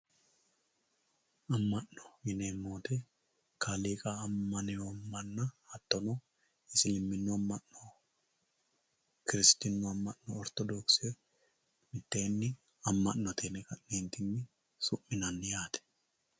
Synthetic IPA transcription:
ɐmːɐnːɔ̥ɪnemːoːt̪ɛ | kʰaleːkʼaːmːɐnɛmːɐnːɐhɐt̪ːɔno | ɪsɪlɪmːɪnːʊɐmːɐnːo | kɪɾɪst̪ɪnːʊɐmːɐnnɔːɾt̪ɔd̪ɔkse | mɪt̪ːeːnːɪ | ɐmːɐnːɔt̪ʰeːnɛkɐnːeːnt̪ɪnːɪ | sʊʔmːɪnɐnːɪjaːt̪ɛ̥

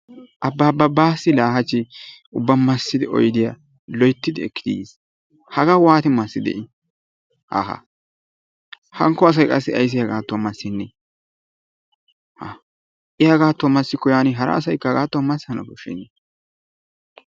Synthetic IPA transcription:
ʔɐbːabɐbaːsɪlaːhɐt͡ʃːɪ | ʊbːɐmɐsːɪd̪ɪʔɔ̰jd̪ɪja | lɔjt̪ːɪd̪ɪɛkːɪ̥d̪ɪjḛːs | hɐɡawaːt̪ɪmɐsːɪd̪ɛ̰ʔɪ | ha̰ɦa̰ | hɐŋkːɔɐs̬ɐjkʼɐsːɪɐjs̬ɪjɐɡaːt̪ːwɔmɐsːɪnːɛ | h | ʔɪjɐɡaːt̪ːwɔmɐsːɪkʊjaːnɪɦɐɾɐ̰ːsɐjkːɐɡaːt̪ːwɔmɐsːhɐnɐ̰bɔʃɪ̰nːɛ

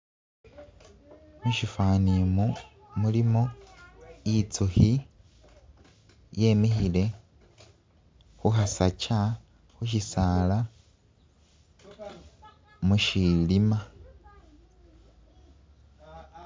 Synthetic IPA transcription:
muʃifanimu | mulimo | it͡suhi | je̞mixile̞ | xuxasaca | xuʃisala | muʃilima

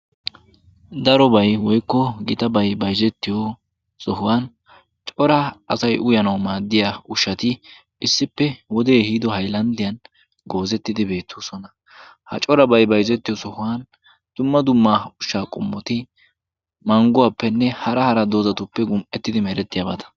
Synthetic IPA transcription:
d̪ɐɾɔbɐjwɔjkːɔɡɪt̪ɐbɐjbɐjzɛt̪ːɪjɔ | sɔhʊwaːn | t͡ʃʼɔɾɐɐsɐjʔʊjɐnɐwmaːd̪ːɪjaʊʃːɐt̪ɪ | ʔɪsːɪpːɛwɔd̪eːhiːd̪ɔɦɐjlɐnd̪ɪjɐn | ɡo̞ːzɛt̪ːɪd̪ɪbe̞ːt̪ʰːuːsɔnɐ | hɐ̰t͡ʃʼɔɾɐbɐjbɐjzɛt̪ːɪjɔsɔhʊwan | d̪̥ʊmːɐd̪ʊmːaʊʃːaːkʼʊ̰mːɔt̪ɪ | mɐŋɡʊwaːpːɛnːɛhɐɾɐhɐɾɐd̪oːzɐt̪ʊpːɛɡʊmʔɛt̪ːɪd̪ɪmɛɾɛt̪ːɪjaːbɐt̪ɐ̥

